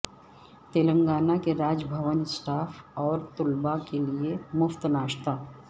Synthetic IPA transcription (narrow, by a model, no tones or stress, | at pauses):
t̪eːlə̃ŋɡaːnakeɾaːd͡ʒbʱəʋənsʈaːfʰɔːɾt̪ʊlbakeliemʊft̪naːʃt̪aː